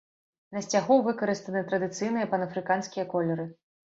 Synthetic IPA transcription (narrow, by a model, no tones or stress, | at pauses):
nɐsʲt͡sʲaɣɔvɨkɐɾɨst̪ɐnɨt̪ɾɐd̪ɨt̪sɨjnɨjɐpɐnɐfɾɨkanskʲijɐkɔlʲɛɾɨ